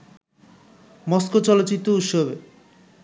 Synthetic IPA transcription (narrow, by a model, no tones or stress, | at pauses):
mɔskot͡ɕɔlot̪ːt͡ɕit̪ːɾout̪ʃobe